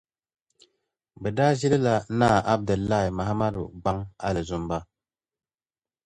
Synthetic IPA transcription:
bə˨da˦zi˦lə˦la˦na˦˨a˦b̚də˨lːa˦˨i˨ma˨ɦa˦ma˦dṵ˨ɡ͡ba˦ŋa̰˦lə˨zo˦mba˦

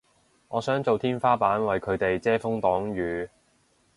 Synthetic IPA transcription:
ŋɔː˨˧sœː˨˥ŋt͡so˨wt̪ʰiː˥nfaː˥paː˨˥nwɐ˨jkʰɵ˨˧ɥt̪e˨jt͡sɛː˥fʊ˥ŋt̪ɔː˨˥ŋjyː˨˧

